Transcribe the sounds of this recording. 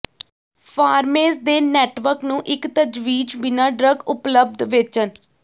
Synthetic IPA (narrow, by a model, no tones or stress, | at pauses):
pʰaːɾmeːzd̪eːnɛːʈʋəɾknũːʔɪkt̪əd͡ʒʋiːd͡ʒbɪnaːɖɾəɡʊpləb̚d̪ʋɪt͡ʃən